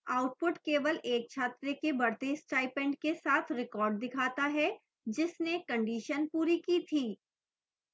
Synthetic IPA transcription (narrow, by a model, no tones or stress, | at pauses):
aːʊʈ̚pʊʈkeːʋəleːk̚t͡ʃʰaːt̪ɾekebɐɾt̪eːsʈaːɪipɛ̃ːɳɖkesaːt̪ʰɾɪkɔːɾɖ̚d̪ɪkʰaːt̪aɦɛ | d͡ʒɪsnekɐ̃ɳɖiːʃənpuːɾikit̪ʰiː